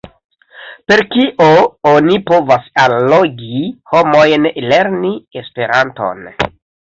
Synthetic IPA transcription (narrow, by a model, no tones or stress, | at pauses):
pe̞ɾkiʔoonipo̞vasalːoɡiho̞mo̞jnle̞ɾniespe̞ɾanto̞̰n